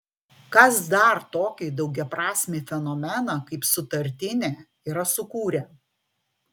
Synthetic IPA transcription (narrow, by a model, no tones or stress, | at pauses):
kɐsd̪ɐɾt̪oːkʲiːd̪ɒʊɡʲɛpɾɑːsʲmʲeːfʲɛnɔmʲɛnɑkɐɪpsʊt̪ɐɾʲt̪ʲɪnʲeː | iːɾɐsʊkuːɾʲɛː